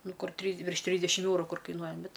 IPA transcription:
ˈnʊ ˈkʊr ˈtʲrʲiːs ʋʲɪrʃ ˈtʲrʲiːzʲdʲɛʃʲɪm ˈɛʊrʊ ˈkʊr kɐɪˈnuɔjɛ ˈbʲɛt

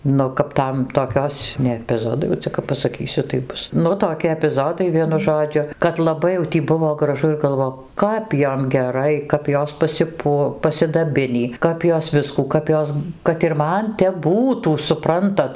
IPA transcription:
ˈnʊ kɐp ˈtɐm toːˈkʲoːs nʲɛ ɛpʲɪˈzoːdɐɪ jɛʊ ˈt͡sʲɛ kɐp pɐsɐˈkʲiːsʲʊ tɐɪ ˈbʊs ˈnʊ toːˈkʲɪ ɛpʲɪˈzoːdɐɪ ˈʋʲiɛnʊ ˈʒoːd͡ʒʲʊ kɐt lˠɐˈbɐɪ jɛʊ ˈtʲiː ˈbʊʋoː ɡrɐˈʒʊ ɪr ɡɐlˠˈʋoː ˈkɐp ˈjoːm ɡʲɛˈrɐɪ kɐp ˈjoːs pɐsʲɪˈpuɔ pɐsʲɪdɐˈbʲɪnʲiː ˈkɐp joːs ˈʋʲɪskuː ˈkɐp joːs kɐt ɪr ˈmɐn tʲɛp ˈbuːtuː sʊˈprɐntɐt

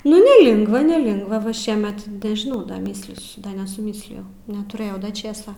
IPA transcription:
nʊ nʲɛˈlʲɪŋɡʋɐ nʲɛˈlʲɪŋɡʋɐ ʋɐ ˈʃʲiɛmʲɛt nʲɛʒʲɪˈnɐʊ ˈdɐr ˈmʲiːsʲlʲiːsʲʊ ˈdɐ nʲɛsʊˈmʲiːsʲlʲɪjɛʊ nʲɛtʊˈrʲeːjɛʊ ˈdɐ ˈt͡ʃʲeːsɐ

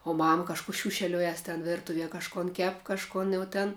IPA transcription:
oː ˈmɐm kɐʃˈkuː ˈʃʲuːʃʲɛlʲoːjɛs tʲɛn ˈʋʲɪrtʊʋʲiɛ kɐʃˈkoːn ˈkʲɛp kɐʃˈkoːn jɛʊ tʲɛn

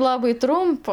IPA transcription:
ˈlˠɑːbɐɪ ˈtrʊmpɐ

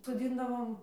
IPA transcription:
soːˈd͡zʲɪndɐʋoːm

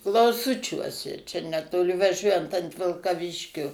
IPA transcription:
klˠɐʊˈsʊt͡ʃʲuɔsʲɛ t͡ʃʲɛ nʲɛtoːˈlʲɪ ʋɐˈʒʲuɔjɛnt ɐnt ʋʲɪlˠkɐˈʋʲɪʃʲkʲoː

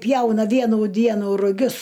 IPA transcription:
ˈpʲjɛʊnɐ ˈʋʲiɛnuː ˈdʲiɛnuː rʊˈɡʲʊs

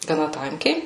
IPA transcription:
ɡɐˈnɐ ˈtɐŋʲkʲɛɪ

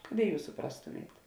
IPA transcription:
kɐt ɪ ˈjuːs sʊˈprɑːstʊmʲeːt

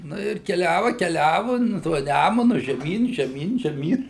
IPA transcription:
ˈnʊ ɪr kʲɛˈlʲæːʋɐ kʲɛˈlʲæːʋʊ ˈnʊ tuɔ ˈnʲæmʊnʊ ʒʲɛˈmʲiːn ʒʲɛˈmʲiːn ʒʲɛˈmʲiːn

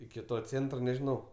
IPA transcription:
ɪkʲɪ ˈtoː ˈt͡sʲeːntroː nʲɛʒʲɪˈnɐʊ

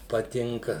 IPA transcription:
pɐˈtʲɪŋkɐ

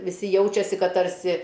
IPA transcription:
ʋʲɪˈsʲɪ ˈjɛʊt͡ʃʲɛsʲɪ ˈkɐt tɐrʲˈsʲɪ

